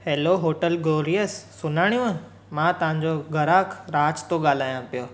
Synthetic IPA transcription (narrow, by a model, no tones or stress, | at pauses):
heːloɦoːʈəlɡoːɾiəsːʊnaːɽ̃ijũə̃ | mãt̪ɐʋ̤ãɲ̆d͡ʑoɡʱɐɾaːkʰɾaːd͡ʑt̪oɠaːl̤aːjãpijoː